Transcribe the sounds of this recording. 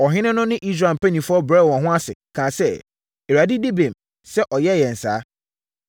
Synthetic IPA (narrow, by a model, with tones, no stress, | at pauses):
ɔ˨ɦɪ̃˦nɪ̃˦nʊ̃˦nɪ̃˦ʔi˦s̬ɾa˨m˨pe˦nĩ˨fʊ˦ɔ˦bɾɛ˦˨wɔ̃˨ɦʊ̃˦a˦sɪ̰˨kʰã˨sɛ˦ | e˨ɾa˨dɪ˦di˦be˨m | sɛ˦ʔɔ˨jɛ˦˨jɛ˨n̩˨sa̰ː˨˦